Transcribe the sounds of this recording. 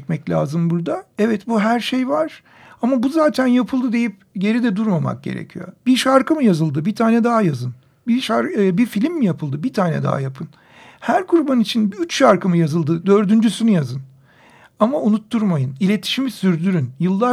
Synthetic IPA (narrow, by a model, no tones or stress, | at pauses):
cmɛclʲa̰ːzɯmbuɾd̪aɛvɛt̪buɦæɾʃejvaɾ̥ | amabuzaːt̪ʰænjapʰɯlˠd̪ɯd̪e̞jip | je̞ɾid̪ɛd̪uɾmama̰k̚ɟe̞̰ɾḛcʰijo̰biʃaɾkʰɯmɯjazɯlˠd̪ɯbit̪ʰaːnɛd̪aɦajazɯn | biʃaɾbifilʲimːijapʰɯlˠd̪ɯbit̪ʰaːnɛ̰d̪a̰ɦa̰japʰɯn | hæɾkʰuɾbanit͡ʃʰinbiyt͡ʃʃaɾkɯmɯjazɯlˠd̪ɯd̪ø̞ɾd̪ynd͡ʒysynyjazɯn | amaunut̪ʰːuɾmajɯnilʲe̞t̪ʰi̥ʃimisyɾd̪yɾynjɯlˠːa